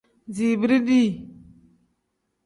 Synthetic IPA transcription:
zi˨bi˦ɾi˦di˦˨

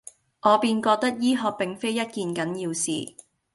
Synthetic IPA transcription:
ʔɔː˨˧piː˧nkɔː˧k̚t̪ɐ˥k̚jiː˥ɦɔː˧k̚pɪ˨ŋfe˥jɐ˥t̚kiː˨˧nkɐ˨˥njiː˧wsḭː˨

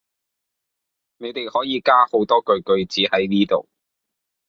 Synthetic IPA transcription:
ne˨˧jt̪e˨˩jhɔː˨˥jiː˨˧kaː˥ho˨˥wt̪ɔː˥kɵ˨˧ɥkɵ˨˧ɥt͡siː˨˥hɐ˨˥jniː˥t̪o̰˨w

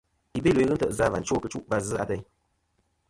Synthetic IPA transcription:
i˨be˦lo˨i˦ɣɨ˦tə̰˨ʔza˦va˨n̩˦t͡ʃo˦kɨ˧˦t͡ʃu˦ʔva˧zɨ˦a˦tə˧ɲ

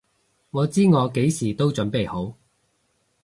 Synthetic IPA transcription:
ŋɔː˨˧t͡siː˥ŋɔː˨˧ke˨˥jsiː˨˩t̪o˥wt͡ʃɵ˨˥npe˨˩jho˨˥w

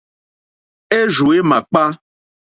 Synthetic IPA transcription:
e˦ʒu˨e˦mã˨k͡pa˦

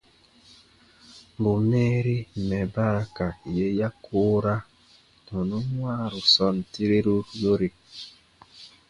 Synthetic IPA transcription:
m˨bu˨meː˦ɾi˦˨mɛ˨ba˦ɾa˦ka˨je˦ja˦kʰoː˦ɾa˦ | nɔ˨nu˦ŋwaː˦˨ɾu˨sɔ˦n˨ti˦ɾe˦ɾu˦jo˦ɾi˨

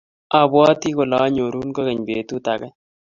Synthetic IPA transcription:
a˨bwɔ˦ti˦ko˨la˨˦ɲo˨ɾu˦nko˦kɛ˨ɲbe˨tu˦ta˨kɛ˦

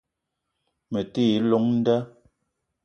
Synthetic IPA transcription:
me˨tiː˦˨˦lo˦ŋn̩˦dɛ˦

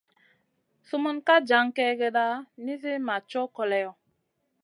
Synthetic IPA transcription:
su˦mu˦nka˦d͡ʒa˨˦ŋkɛ˦ɡɛ˦ɗa˦ni˦zi˦ma˨t͡ʃɔ˦kɔ˨lɛ˨jɔ˨

